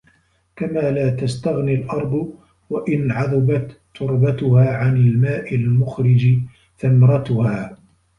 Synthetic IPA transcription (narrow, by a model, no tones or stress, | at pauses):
kamaːlaːt̪ast̪aɣnilʔɑɾˤd̪ˤʊ | waʔɪnʕɑðˤɪbat̪ːʊɾbat̪ʊhaːʕanɪlmaːʔɪlmʊxɾɪd͡ʒɪ | θamɾˤɑt̪ʊhaː